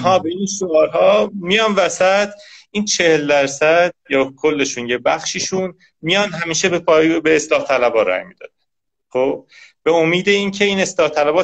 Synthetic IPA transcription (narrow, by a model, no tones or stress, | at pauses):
ɦɒːbe̞inʃoɒːɾɦɒːmijɒːnvæsæt̪ʰʔiːnt͡ʃʰe̞held̪æɾsæd̪̥̚jɒːkʰo̞lːe̞ʃunjebæxʃiːʃun | mijɒnɦæmiːʃebepːbeːslɒːht̪ʰælæbɒːɾæ̰jmḭd̪̥ɒ̰ːd̪æn | xob̥̚be̞omiːd̪e̞iːncʰe̞iːneslɒːht̪ʰælæbɒː